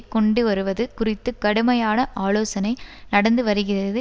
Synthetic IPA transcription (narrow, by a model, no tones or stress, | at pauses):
kːɔɳɖɯʋɐɾɯʋɐðɯkʊrɪt̪ːɯkɐɽɯmɐjaːnɐʔaːloːsɐnɐɪnɐɽɐnd̪ɯʋɐɾɯɣɪrɐðɯ